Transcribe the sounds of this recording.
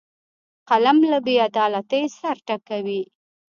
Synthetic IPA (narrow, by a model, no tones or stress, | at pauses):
qalamlabead̪ɑlat̪əjsaɾʈakawi